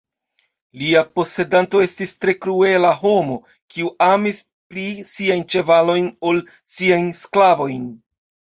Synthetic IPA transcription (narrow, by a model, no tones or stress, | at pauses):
liapo̞se̞danto̞e̞stistɾe̞kɾue̞laɦo̞mo̞ | kiuʔamis | pɾisiajnt͡ʃe̞valo̞jnol | siajnsklavo̞jn